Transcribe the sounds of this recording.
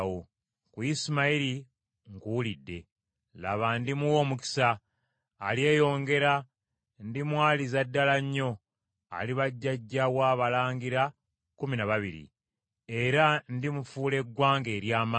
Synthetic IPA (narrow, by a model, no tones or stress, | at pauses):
o | kuismaiɾi | ŋkulidːe̞ | la̰βandimuwo̞ːmuki̥saː | lje̞ːjo̞ːŋɡe̞ɾa | ndimwaːlizadːalaɲːo̞ | a̰liβaɟːaɟːawaːβalaːŋɡiɾa | kuminaβaβḭɾḭ | e̞ɾandimufuːle̞ɡwaːŋɡe̞ːɾjaːma